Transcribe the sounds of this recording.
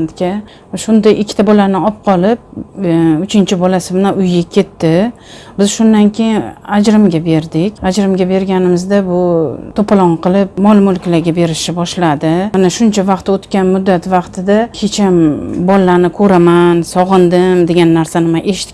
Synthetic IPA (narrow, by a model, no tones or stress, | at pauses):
nt̪kʲa | ʃʊnd̪ajʔɪkʲʰːɪ̥t̪abɒlanɪɒp̚qʰɒlˠɪp̚ | ʊt͡ʃʰɪnt͡ʃʰɪbɒlasɪmanaʔʊjɡakʲʰe̞t̪ʰːɪ | bɪz̥ʃʊnd̪ankʲʰe̞jɪnad͡ʒɾɪmɡʲabe̞ɾd̪ɪkʲad͡ʒɾɪmɡʲabe̞ɾɡʲanɪmɪzd̪abʊt̪ʰopalˠɒɴqʰɨlˠɪp̚mɒlˠmʊlkʲlaɡʲabe̞ɾɪʃɪbɒʃlad̪ɪmanaʃʊnt͡ʃʰavɑqt̪ot̪kʲanmʊd̪ːat̪vɑqt̪ʰɪd̪ahet͡ʃʰambɒlːanɪkʰɵɾamansɒʁɨnd̪ɪmd̪e̞ɡʲanːaɾsanɪmaʔeʃɪ̥t̪ɪ